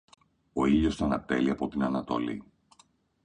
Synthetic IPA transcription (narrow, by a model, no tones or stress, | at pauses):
o̞iʎo̞st̪oɐnɐt̪e̞liɐpo̞t̪inɐnɐt̪o̞lḭ